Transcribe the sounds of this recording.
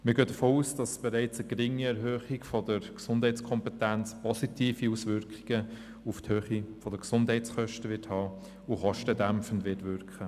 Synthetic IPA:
məɡøːd̥əfoːuːsd̥ɑsb̥ɛɾɛɪt͡səɡɾɪŋːiɛɾɦøːχiɡfɔdəɾksʊnd̥hɛɪt͡skʰɔmpɛtænt͡spɔsitʰiːfiuːsʋʏɾkχiɡ̥ə | ufthøːχifɔd̥əksʊndhɛɪt͡sχœʃtəʋɪːthɑː | uχɔʃtədæmfəndʋɪtʋʏɾkχə

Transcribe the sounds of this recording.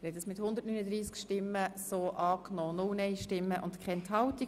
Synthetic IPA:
ɾhɛtəsmɪt̪hʊnd̪ətnyːnəd̪ɾiːskʃtɪmːəsoːʔɑːknɔːnʊlnɛɪʃtɪmːəʔʊ̰ntkχɛnt̪hɑlt̪i

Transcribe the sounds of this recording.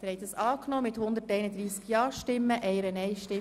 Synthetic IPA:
t̪ɾɛɪt̪əsɑːknoːmɪt̪hʊnd̪ətɛɪnəd̪ɾiːsɡjɑːʃtɪmːəʔɛɪəɾənɛɪʃtɪ

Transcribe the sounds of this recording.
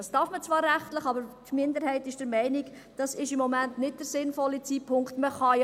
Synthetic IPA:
ɑstɑɾfmət͡svʋɑːɾːæχtləχɑbəɾtmɪndəɾhɛɪtɪʃd̥əɾmɛɪnɪk | d̥ɑsɪʃɪmːɔmæntnɪt̚d̥əɾsɪnfɔlit͡siːpʰʊŋktməχɑj

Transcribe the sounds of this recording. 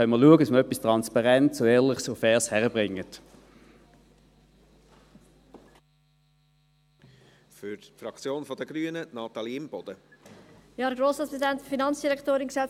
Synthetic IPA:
œməɐluəɡədɑsməœpːistʁɑnspɑʁɛntsoɛːʁlɪχsofɛːshɛʁəbʁɪŋːət | fʏɾtfɾɑkt͡sjoːnfɔd̪əɡɾyːənənɑːt̪ɑliɪmb̥ɔd̥̪ə | jɑːɾəɡɾoːsɑt̪esdɛntffinɑnt͡ssd̥iʁɛktoːɾɪnksɛ

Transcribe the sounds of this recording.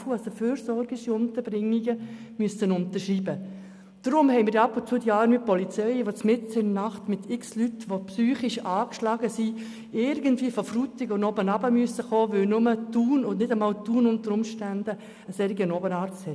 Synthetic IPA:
fuasofyːɾsɔɾɡɪʃiʊnt̪əɾb̥ɾɪŋːiɡə | myəsənʊntəʃriːbə | d̥ɾʊmhɛɪmɪːɾdɑpːʊnt͡suːdiɑːɾmipɔlit͡sɛɪʋot͡smɪt͡sɪnnɑχtmɪt̪ʰɪkslytʋopsyːχiʃɑːkʃlɑɡəsi | ɪɾɡəntviːəfɔfrutɪɡɔnobənɑbəmyəsəχoːʋɪwnʊmətuːnʊnɪdəmɑːlt̪uːnʊntəɾʊmʃtændə | əsɛɾiɡənɔbənɑːɾt͡sthɛ

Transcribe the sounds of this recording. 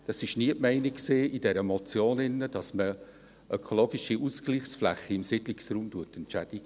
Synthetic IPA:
d̥ɑsɪʃniəʔmɛɪnikkseːid̥ɛɾəmɔt͡sjoːnɪnːəd̥ɑsmə | ʔœkʰoloːɡiʃiʔuskliːχsflæχːiɪmsɪdliksruːmtuətɛntt͡ʃæd̥iɡ̥ə

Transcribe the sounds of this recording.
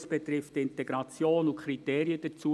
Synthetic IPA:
sb̥ɛt̪ɾɪftɪntɛɡɾɑt͡sjoːnʊkχɾiteːɾiəd̥ət͡suː

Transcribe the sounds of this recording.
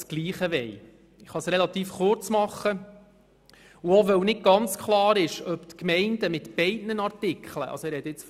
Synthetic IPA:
sɡ̥liːχəʋɛj | ɪχɑsɾelɑt̪iːfχʊɾt͡smɑχːə | uoʋœwnɪd̚ɡ̥ɑnt͡skχlˠɑːɾɪʃœpt̪kmɛɪndəmɪtb̥ɛɪdnənɑɾtɪkχlə̰ɑ̰lsoɪɾɛd̪ɪt͡s

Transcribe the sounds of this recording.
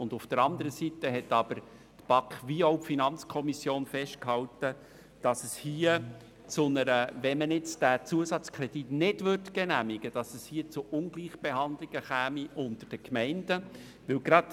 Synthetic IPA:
ʊndʊfd̥əɾɑnd̪əɾəsitəɦɛtɑbəɾ | tb̥ɑkχʋioʊpfinɑnt͡skʰɔmisjoːnfɛʃt̚khɑltə | d̥ɑsəshiːə | t͡sʊnəɾəʋɛnmənɪt͡sd̥æt͡suəsɑt͡skʰɾɛd̥itnɪdʋʏɾtɡ̥ɛnæmiɡəd̥ɑsəshiət͡sʊʔʊnɡ̥liːχb̥ehɑnd̪lɪɡ̥əχɛːmiʔʊntəɾd̥əkmɛɪnd̥ə | ʋɪwɡɾɑd

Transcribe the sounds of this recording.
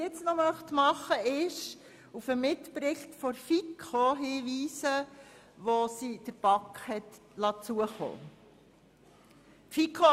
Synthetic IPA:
ɪt͡snɔmœχt̪mɑχəɪʃ | ufəmɪtpɾɪχtfɔɾfikʰoɦiːʋiːsə | ʋosid̥əɾb̥ɑkhɛt | lɑt͡suəχo̰ː | tfikʰːo

